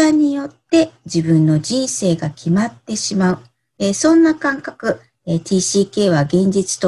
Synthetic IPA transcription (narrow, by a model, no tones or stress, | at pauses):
aɲ̟ijo̞t̪ːe̞d͡ʑibɯ̟̃nːo̞d͡ʑĩɰ̃se̞ːɡakʲimat̪ːe̞ɕimaɯ̟ | esõ̞nːakãŋkakɯ̟ | et̪ʲʰiːɕiːke̞ːβaɡẽ̞ɲ̟d͡ʑit͡sɨ̥t̪o